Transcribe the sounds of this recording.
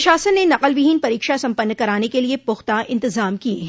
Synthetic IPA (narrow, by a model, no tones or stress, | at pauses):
ʃaːsənːenɐqəlʋɪɦiːnpɐɾiːkʃasɐ̃mpənːkɐɾaːnekeliepʊxt̪aʔɪ̃nt̪ɪzaːmkiḛ̃ɦ